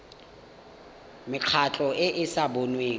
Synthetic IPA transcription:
mɪq͡χʰat͡ɬʼɔʔɪʔɪsabonweːŋ

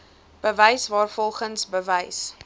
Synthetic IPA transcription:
b̥əvəjsvɑːrfɔlˠχənsbəvəjs

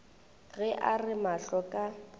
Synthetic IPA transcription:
ɣɛʔarɪmaɬɔkʼa

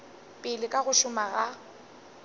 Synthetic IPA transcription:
pʼɪlɪkʼaɣʊʃʊmaɣa

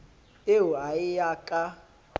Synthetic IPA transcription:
euaɪjakʼa

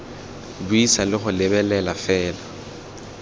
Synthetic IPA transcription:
bʊisalɪχʊlɪbɛlɛlafɛːla

